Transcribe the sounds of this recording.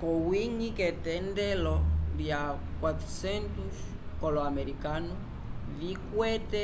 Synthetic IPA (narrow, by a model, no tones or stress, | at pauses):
kowiɲiket̪endelodja | kwat̪ɾusent̪us | koloameɾikanu | vikwet̪e